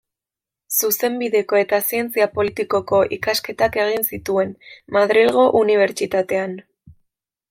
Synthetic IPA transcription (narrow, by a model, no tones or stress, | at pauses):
suse̞mbiðe̞ko̞e̞t̪asie̞nt͡siapo̞lit̪iko̞ko̞ʔikaske̞t̪ake̞ɣ̞insit̪ue̞nmaðɾilɣ̞o̞ʔuniβ̞e̞ɾt͡ʃit̪at̪e̞an